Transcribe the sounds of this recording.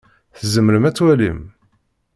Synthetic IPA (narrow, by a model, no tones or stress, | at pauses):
θəzəmːəɾəmæt͡sːwælḭm